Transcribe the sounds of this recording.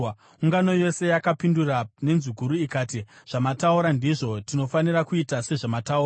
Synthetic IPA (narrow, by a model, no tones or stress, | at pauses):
uŋɡano̞jo̞se̞jakapindurane̞nzuɡʱuɾuikaːtiʐ̥amatauɾandiʐo̞tino̞fanirakuitase̞ʐamatauːra